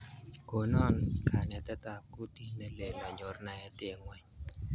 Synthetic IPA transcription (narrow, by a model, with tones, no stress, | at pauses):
ko˨nɔ˦nkʰa˨nɛ˨t̪ɛ˦t̪a˨ku˦t̪i˦ne˨le˨lɔ˨ɲo˨rna˨ɛ˨te˦˨ŋwɛ˨ɲ